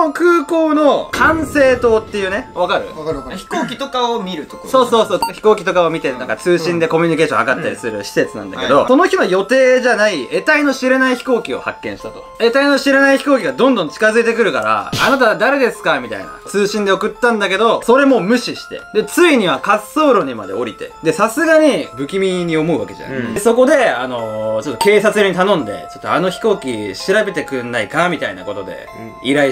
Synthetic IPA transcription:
okɯ̟ːko̞ːno̞kʰãɰ̃se̞ːt̪o̞ːt̪ːe̞jɯ̟ːneβ̞akaɾɯ̟̰çi̥koːkʲit̪okaomʲiɾɯ̟t̪okso̞ːso̞ːsoːçi̥ko̞ːkʲit̪o̞kaomʲit̪enãŋkat͡sɨːɕĩnd̪e̞ko̞mʲiɲ̟ike̞ːɕõhakat̪ːaɾʲḭsɨɾɯ̟ɕi̥se̞t͡sɨnã̰nd̪a̰ḛkd̪oso̞no̞çʲinojo̞t̪e̞ːʑanaie̞t̪aino̞ɕiɾenaiçi̥ko̞ːkʲio̞̰ha̰kːẽ̞ɰ̃ɕi̥t̪at̪o̰e̞t̪aino̞ɕiɾenaiçi̥ko̞ːkʲiɡad̪õ̞nd̪õ̞ɲt͡ɕi̥kazɨit̪e̞kɯ̟ɾɯ̟kaɾa̰ːnat̪̬ad̪aɾe̞d̪e̞sɨ̥kamʲit̪a̰ina̰t͡sɨːɕĩnd̪e̞okɯ̟t̪ːãnd̪ake̞d̪o̞so̞ɾe̞mo̞mɯ̟ɕiɕi̥t̪e̞̰d̪e̞t͡sɨiɲ̟iβakasːo̞ːɾo̞ɲ̟ima̰d̪e̞̰o̞ɾʲit̪e̞̰d̪e̞sasɨɡaɲ̟ibɯ̟kʲimʲiɲ̟io̞mo̞ɯ̟βa̰ke̞ʑa̰na̰so̞ko̞d̪e̞ano̞t͡ɕo̞t̪ːo̞ke̞ːsat͡sɨjoɲ̟it̪anõ̞nd̪e̞̰t͡ɕo̞t̪ːoa̰no̞çi̥ko̞ːkʲiɕiɾabe̞t̪e̞kɯ̟nːaikamʲit̪aina̰ko̞t̪o̞d̪e̞̰ | iɾai

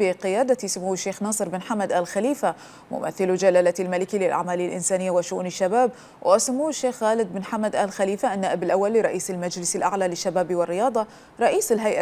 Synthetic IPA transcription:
ɪqɪjaːd̪at̪isʊmuːwɪʃːeːxnɑːsˤɨɾbɪnħamːad̪ʔaːlxaliːfa | mʊ̰mʔa̰θːɪlud͡ʒalaːlat̪ilmalɪkilɪlʔa̰ʕmaːlɪalʔɪnsaːnɪjːawɪʃʊʔṵːnɪʃːabaːb | wʔʔasʊmːuːʃːeːxɣaːlɪd̪̚bɪnħamːad̪ʔaːlxaliːfaʔːnːaːʔɪbɪlʔawːalːɪɾˤɑʔiːsɪlmad͡ʒlɪsaɪlʔa̰ʕlalɪʃːabaːbiwɪrːɪjɑːd̪ˤɑ | ɾˤɑʔiːsɪlɦajʔa

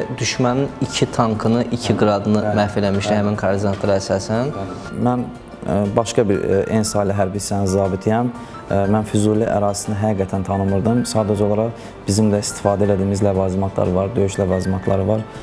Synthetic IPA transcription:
d̪yʃmæninicʰit̪ʰɑŋkʰɯnɯʔicʰiɡɯɾɑd̪ɯnɯmæfelæmiʃt̪ihæminkʰɑɾd̪inɑt̪lˠɑɾɑæsɑːsæn | mæn | bɑʃkɑbiɾensɑːliɦæɾbisænizɑːbit̪ʰijæm | mænfyzulʲæʔæ̰ɾɑːzi̥sinɦæɡiːɡæt̪ʰænt̪ʰɑnɯmɯɾd̪ɯmsɑːd̪æd͡ʒo̞lˠɑɾɑʁ | b̥izimd̪æist̪i̥fɑːd̪æelæd̪iːmizlævɑːzimɑt̪ʰlˠɑ̰ɾɯvɑɾd̪ø̞jyʃlævɑːzimɑt̪ʰlˠɑɾɯvɑɾ

